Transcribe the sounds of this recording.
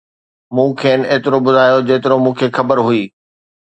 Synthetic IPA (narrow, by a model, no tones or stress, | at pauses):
mũːkʰeːnɪeːt̪ɪɾobʊd̪ʱaːjod͡ʑeːt̪ɪɾomũːkʰeːxɐbəɾɦʊiː